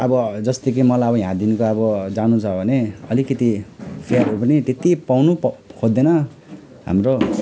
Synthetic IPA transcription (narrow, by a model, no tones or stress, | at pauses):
ʌbʌd͡zʌst̪ekimʌlajʌbʌɦjãd̪inkoʌbʌd͡zanũt͡sʰʌbʱʌneʌlikʌt̪ipʰearɦupʌnit̪et̪ipawnukʰod̪ːenʌ | ɦa̰mro